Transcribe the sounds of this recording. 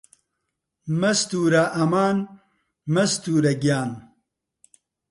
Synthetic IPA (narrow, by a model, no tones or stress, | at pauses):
mɐst̪uːɾaʔɐmaːn | mɐst̪uːɾɐɡijaːn